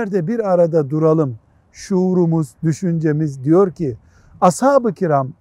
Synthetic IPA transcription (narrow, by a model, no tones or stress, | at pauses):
ɾd̪ɛbiɾaɾad̪ad̪uɾalˠɯm | ʃuːɾumuzd̪yʃynd͡ʒe̞mizd̪ijo̞ɾcʰi | ashaːbɯcʰiɾam